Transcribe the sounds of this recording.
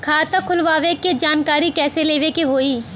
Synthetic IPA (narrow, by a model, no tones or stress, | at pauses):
kʰaːt̪akʰʊlʋaːʋeked͡ʒaːnkaːɾikɛːseleːʋekeɦoːiː